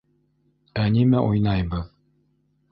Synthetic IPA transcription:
ænimæʔujnɑjbɤð

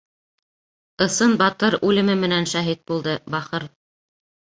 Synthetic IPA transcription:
ɤ̆sɤnbɑt̪ɤɾʉlɘ̆mɘmɘ̆nænʃæɦit̪̚bulˠd̪ɤbɑχɤɾ

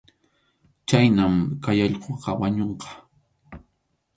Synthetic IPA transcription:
t͡ʃajnamkajɑʎqoqɑwaɲoɴqɑ̥

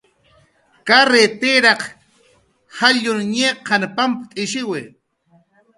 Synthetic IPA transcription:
kaɾet̪ɪɾɑq | haʎʊnɲeːqʰanapampat̪ʼɪʃɪwɪ

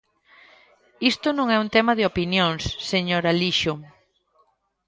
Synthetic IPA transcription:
ist̪ʊnõŋɛunt̪ɛmɐðɪopinjoŋsːeɲoɾaliʃʊ

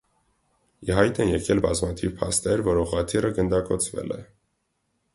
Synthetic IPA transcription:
iɦɑjt̪ʰɛnjɛkɛlbɑzmɑt̪ʰivpʰɑ̰st̪ɛɾvɔɾɔʁɑt̪ʰirəɡənd̪ɑkɔt͡sʰvɛ̰lɛ̰

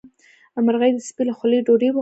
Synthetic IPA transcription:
amaɾɣajd̪əspilaxʊleɖoɾew

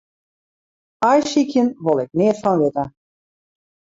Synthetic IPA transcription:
ajsikjənʋolˠɪk̚nɪətfɔnʋɪtə

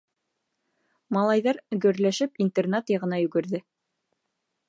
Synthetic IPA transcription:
mɑlˠɑjðɑɾɡɵ̆ɾlæʃɘpint̪ernat̪jɑʁɤ̆nɑjʉɡɘ̆ɾðɘ

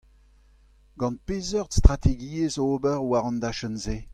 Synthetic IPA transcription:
ɡɑ̃n̚pezœʁdst̪ʁat̪ʰeɡiːezoːbɛʁwaʁɑ̃nd̪aʃənze

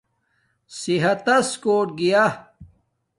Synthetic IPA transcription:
siɦɐt̪ɐskoːʈ̚ɡija

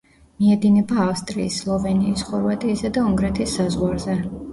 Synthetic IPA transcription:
miɛd̪inɛbaːfst̪ʼɾḭːsːlˠɔvɛniːsχɔɾvat̪ʼiːsad̪auŋɡɾɛt̪ʰisːazʁwaɾzɛ

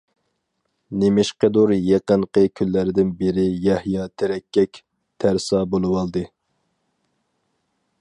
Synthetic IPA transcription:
nemɪʃqəd̪uɾjeqəɴqʰəkʲʰylːæɾɪd̪ɪnbɪɾɪjɛhjɑt̪ʰeɾɛkʲːɛkʲ | t̪ʰæɾsɑbolˠɨwɑlˠd̪ɨ

